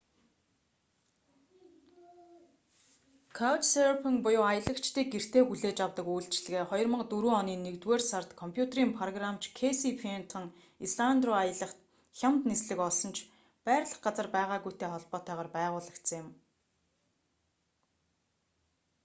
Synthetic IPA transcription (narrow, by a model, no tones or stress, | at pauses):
kʰawt͡ɕʰseɾpʰĭŋpʊjʊːajə̆ɮə̆kt͡ɕʰt̪iːk̚ɡer̥t̪ʰeːxuɮeːt͡ɕawt̪ə̆kujɮt͡ɕɮɘ̆ɣeːχɔjɞ̆rmə̆qt̪uɾuːɔniːnːekt̪weːrsart̪kʰɔmpʰjut̪ʰeriːmpʰrɔɣramt͡ɕʰkʰesipʰent̪ʰɞ̆ŋ | isɮand̪rʊajə̆ɮə̆χt̪ | xʲamt̪nesɮɘ̆kɔɮsɞ̆nt͡ɕʰ | pæːɾɮə̆χɢat͡sə̆rpæːʁaːɣujʰt̪ʰeːχɔɮpɔːt̪æːʁaːrpæːʁʊːɮə̆kt̪sə̆ŋjɪm